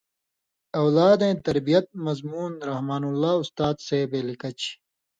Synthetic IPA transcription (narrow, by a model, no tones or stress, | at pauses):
ɐwlaːd̪ẽːt̪ɐɾbijɐt̪̚mɐzmuːnɾɐhmaːnulːaːust̪aːd̪seːbeːlikɐt͡ɕʰ